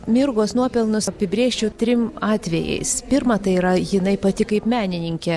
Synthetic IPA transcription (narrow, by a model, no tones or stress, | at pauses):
mʲɪɾɡoːsnuɔpʲɛlˠnʊsɐpʲɪbʲɾʲiːʃʲt͡ʃʲɛʊt̪ʲɾʲɪmɑːt̪ʲʋʲɛjɛ̰ɪspʲɪɾmɐt̪ɐɪiːɾɐjɪnɐɪpɐt̪ʲɪkɐɪpmʲæːnʲɪnʲɪŋʲkʲɛ